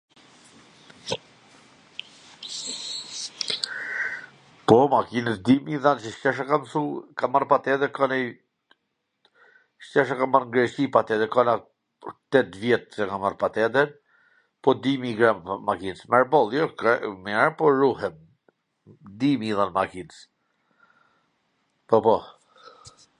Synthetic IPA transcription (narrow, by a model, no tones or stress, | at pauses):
pɔmakinəsd̪imiðant͡ʃəʃcɛʃ̬akamsukamaɾpat̪ɛd̪ɛɾkɔnɛ | ʃc̪ɛʃ̬akamaɾŋɡɾɛʃipat̪ɛd̪ɛkɔna | t̪ɛt̪vjɛt̪sɛkamaɾpat̪ɛd̪ɛɾ | pɔd̪imiɡɾammakinsmɛɾbɔlˠjɔkmɲɛɾpɔɾuɦɛm | d̪imiðanmakins | pɔpɔ